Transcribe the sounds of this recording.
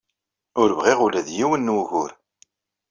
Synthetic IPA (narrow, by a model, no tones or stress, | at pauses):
ʊɾvʁiʁulæðjiwənːwʝʊɾ